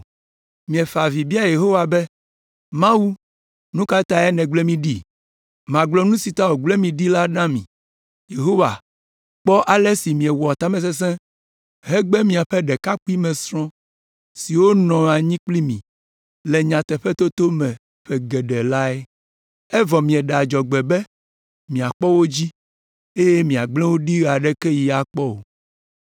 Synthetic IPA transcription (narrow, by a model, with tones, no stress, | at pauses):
mĩ˨ɛ˨fa˨vi˨bi˦a˦je˨ɦo˦wa˨bɛ˦ | mã˦wu˦ | nũ˦ka˦t̪a˨ɛ˦nɛ̃˨ɡ͡blɛ˦mĩ˦˨ɖi˦ | mã˨ɡ͡blɔ˦nũ˦si˨t̪a˦wo˨ɡ͡blɛ˦mĩ˨ɖi˦la˦nã˦mḭ̃˨ | je˨ɦo˦wa˨ | k͡pɔ˦ʔa˨lɛ˦si˨mĩ˨ɛ˨wa˨t̪a˦mɛ̃˨s̬ɛ˦s̬ɛ̃˦ | ɦɛ˦ɡ͡bɛ˦mĩ˨a˨ɸɛ˦ɖɛ˨ka˦k͡pu˦i˦mɛ̃˨sɾɔ̃˦ | si˨wo˦nɔ̃˨a˨ɲĩ˦k͡pli˦mĩ˨ | lɛ˨ɲã˨t̪ɛ˨ɸɛ˦t̪o˦t̪o˦mɛ̃˨ | ɸɛ˨ɡɛ˨ɖɛ˨la˦ɛ˦ | ɛ˦vɔ˨mĩ˨ɛ˨ɖa˨d͡ʒɔ˨ɡ͡bɛ˨bɛ˦ | mĩ˨a˨k͡pɔ˦wo˦d͡ʑi˦ | e˦je˦mĩ˨a˨ɡ͡blɛ̃˦wo˦ɖi˦ɣa˨ɖɛ˦kɛ˦ji˨a˨k͡pɔ˦o̰˨